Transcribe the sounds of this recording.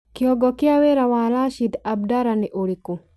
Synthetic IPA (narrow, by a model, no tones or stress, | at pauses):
kiɔɡɔkɪaweɾawalaʃid̪ab̚daɾanɛʔoɽiku